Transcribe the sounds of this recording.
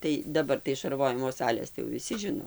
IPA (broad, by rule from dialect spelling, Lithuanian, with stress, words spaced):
ˈtɐɪ dɐˈbɐr tɐɪ ʃɐrˈʋoːjɪmoː ˈsɑːlʲeːs tɐɪ jɛʊ ʋʲɪˈsʲɪ ˈʒʲɪnoː